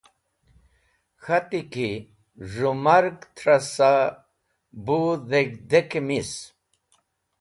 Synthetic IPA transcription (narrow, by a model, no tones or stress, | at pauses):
xat̪iki | ʐumaɾɡt̪ʰɾasa | buðekd̪ekemis